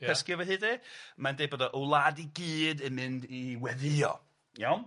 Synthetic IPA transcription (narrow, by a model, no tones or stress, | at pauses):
ɛskɪvəhɨːdimandejbɔdaʔəwlˠadiɡiːdɪnmɪndiwɛðɪɔ̰ | jawn